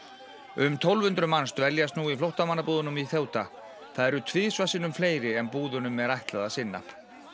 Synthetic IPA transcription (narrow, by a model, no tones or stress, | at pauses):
ʏmt̪ʰowlvʏnt̪ɾʏmanst̪vɛljast̪nuːiflowht̪amanːapuːðʏnʏmiθjoːwt̪a | θaðɛɾʏt̪ʰvɪːsvasɪnʏmfleːjɾɪɛmpuːðʏnʏmːɛɾajht̪laðasɪnːa̰